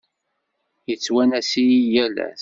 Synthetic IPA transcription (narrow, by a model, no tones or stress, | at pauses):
jət͡sːwænæsijijælæ̰